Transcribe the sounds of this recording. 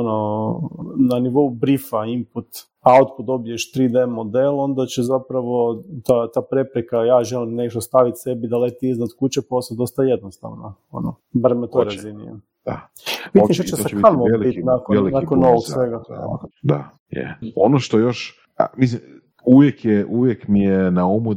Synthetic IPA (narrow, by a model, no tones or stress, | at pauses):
ono | naniʋo̞ubɾifaimput̪ | ao̞t̪kod̪o̞bijeʃt̪ɾid̪emːo̞d̪elˠo̞nd̪at͡ɕezapɾaʋo̞t̪at̪aːpɾe̞pɾekajaːʒe̞limne̞ʃt̪ost̪aʋit̪se̞bid̪alet̪iiznat̪kut͡ɕepo̞sad̪o̞st̪aje̞d̪nost̪a̰ʋno | o̰no | baɾmet̪ojɾazinḭḛ | d̪̥a̰ | pit̪iʃt̪at͡ʃesakanoʋobit̪nakolnakonːoʋoɡsʋeɡa̰d̪a̰ | jɛ̰onoʃt̪ojoʃ | a̰mis̬lim | uʋjekjeʔuʋjekmijenaomu